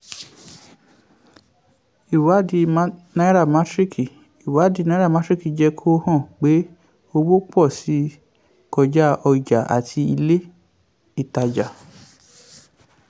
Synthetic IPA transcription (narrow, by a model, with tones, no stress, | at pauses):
i˨wa˨˦di˧m˦nã˧˦ɾa˦˨ma˨˦tɾi˦ki˨ | i˨wa˨˦di˧nã˧˦ɾa˦˨mã˨˦tɾi˦ki˨d͡ʒɛ˧kʰo˦hɔ̃˦˨k͡pe˨˦ | o˧wo˦k͡pɔ˦˨si˨˦ | kɔ˧d͡ʒa˦ɔ˧i˨d͡ʒa˨ʔa̰˨tʰi˧i˧le˦ | i˦˨ta˧d͡ʒa˨